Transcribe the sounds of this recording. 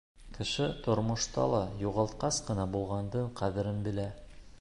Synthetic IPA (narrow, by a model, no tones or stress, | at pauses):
kɘ̆ʃɘt̪ŏɾmŏʃt̪ɑ̰lˠɑjuʁɑlˠt̪̚qɑsqɤ̆nɑbulˠʁɑnd̪ɤɴqʰæðɘ̆ɾɘnbɘ̆læ